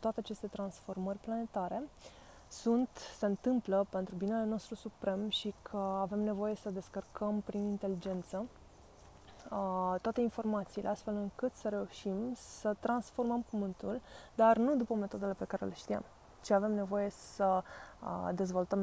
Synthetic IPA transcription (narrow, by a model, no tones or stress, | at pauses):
t̪oat̪eat͡ʃe̞st̪e̞t̪ɾansfo̞rmərʲplane̞t̪aɾe̞ | sunt̪se̞ɨnt̪ɨmpləpe̞nt̪ɾubineleno̞st̪ɾusupɾe̞mʃikʰəave̞mne̞vo̞je̞səd̪e̞skərkʰəmpɾinint̪e̞lid͡ʒe̞nt̪sə | t̪oat̪einfo̞rmat̪siːlʔeast̪felɨŋkɨt̪səɾe̞uʃimsət̪ɾansfo̞rməmpumɨnt̪uld̪arnud̪upəme̞t̪od̪e̞lepe̞kaɾe̞̰leʃt̪ia̰m | t͡ʃiave̞mne̞vo̞je̞sə | d̪e̞zvo̞lt̪əm